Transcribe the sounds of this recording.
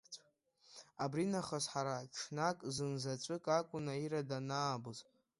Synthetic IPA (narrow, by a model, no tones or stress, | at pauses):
abrinaχasħaɾaʈ͡ʂʰnakʼzɨnzat͡ɕʷʼɨkʼakʷʼʊnaiɾadanaːbɨz